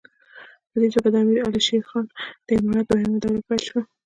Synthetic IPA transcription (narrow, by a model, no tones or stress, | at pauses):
pəd̪et̪obad̪əamiɾaliʃexɑnd̪̥əɪmɑɾɑt̪̚bahɪmad̪awəlopalʃwa